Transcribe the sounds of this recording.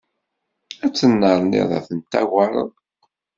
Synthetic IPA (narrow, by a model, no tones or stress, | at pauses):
æt͡sːənːəɾˤnḭðˤɑ̰θənt̪ːæ̰ɣɑɾˤə̰ðˤ